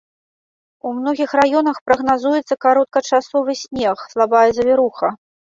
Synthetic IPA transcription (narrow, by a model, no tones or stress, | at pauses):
umnɔɣʲixrajɔnɐxpɾɐɣnazujɛt̪sːɐkaɾɔt̪̚kɐt͡ʂasɔvɨsʲnʲɛxslˠabajɛzɐvʲiɾuxɐ